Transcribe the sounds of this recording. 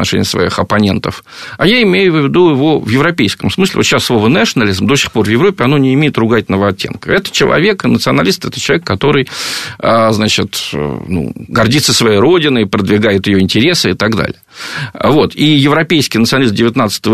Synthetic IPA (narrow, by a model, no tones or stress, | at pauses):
nɐ̰ʂɛ̰nʲɪ̰əsvɐ̰ḭxɐpɐnʲe̞̰nt̪əfajaɪmʲejʊvʲvʲɪd̪uɪvo̞vjɪvɾɐpʲejskəmsmɨsʲlʲɪ̰vot̪ɕːasːlˠo̞vənɛʂənɐlʲizmd̪osʲɪ̥xpo̞rvjɪvɾopʲːɪɐno̞nʲɪɪmʲejɪt̪rʊɡat̚ʲnəvəɐtʲːḛnkəɛt̪ə̥t͡ɕɪlˠɐ̰vʲe̞knət̪sɨɐnɐlʲist̪ɛt̪ə̥t͡ɕɪlˠɐvʲekːɐt̪o̞ɾɨjəznat͡ɕɪt̪nṵɡɐrdʲit̪səsvɐjejɾo̞dʲɪnɨɪpɾəd̪vʲɪɡajɪt̪ɪjoɪnʲtʲɪɾʲe̞sɨɪt̪aɡd̪a̰lʲɪ̰jəvo̞t̪ijɪvɾɐpʲejskʲɪjnt̪sɨɐnlisdʲɪvʲɪt̪nat̪sə̥t̪əvə